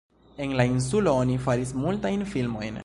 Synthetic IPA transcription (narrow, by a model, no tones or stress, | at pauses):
e̞nlains̬ulo̞onifaɾismultajnfilmo̞jn